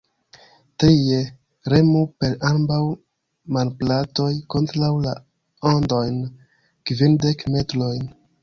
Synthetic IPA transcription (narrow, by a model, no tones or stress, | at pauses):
teje | ɾe̞mupe̞ɾambaw | malplato̞jko̞ntɾawla̰ | ondo̞jn | kvinde̞kme̞tlo̞jn